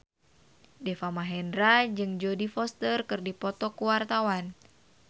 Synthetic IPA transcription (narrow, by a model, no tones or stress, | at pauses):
dɛfamaɦɛndɾad͡ʒɨŋd͡ʒodifɔst̪ərkɨrdipɔt̪ɔkuwart̪awan